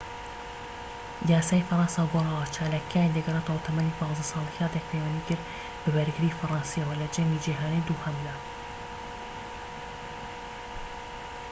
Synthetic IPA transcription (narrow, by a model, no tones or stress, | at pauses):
jaːsaːifɐɾˤɑːnsɑːɡorɑːwat͡ʃʰaːlaːkʰːaːjnd̪ɨɡɐret̪awt̪ʰɐmanipɑːnzɐsɑːlˠihɑːd̪ek̚pʰejwaniːkɪɾd̪ | bɨbɐɾɡɨɾiːfɐɾˤɑːnsiɐwɐlɐd͡ʒɐmid͡ʒiɦaːnijd̪uhɐmlɐ